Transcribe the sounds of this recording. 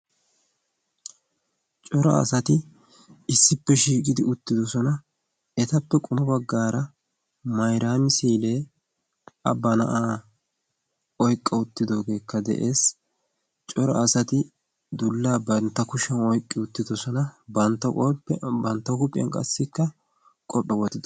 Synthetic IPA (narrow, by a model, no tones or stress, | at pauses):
t͡ʃʼɔɾɐ̰ɐ̰sɐt̪ɪ | ɪsːɪpːɛʃiːkʼɪd̪ɪʊt̪ːɪd̪ɔsɔnɐ | ɛt̪ɐpːɛkʼʊmʊbɐɡːaːɾɐ | mɐjɾaːmɪsiːle̞ː | ɐbːɐnɐ̰ʔaː | ɔjkʼːɐʊt̪ːɪd̪o̞ːɡe̞ːkːɐd̪ɛ̰ʔe̞ːs | t͡ʃʼɔɾɐ̰ːsɐt̪ɪ | d̪ʊlːaːbɐnt̪ːɐkʊʃɐnɔjkʼːɪʊt̪ːɪd̪ɔsɔnɐbɐnt̪ːɐbɐnt̪ːɐkʊpʼːɪjɐ̰nkʼɐ̰sːɪkːɐ | kʼɔʔɔwɔt̪ːɪd̪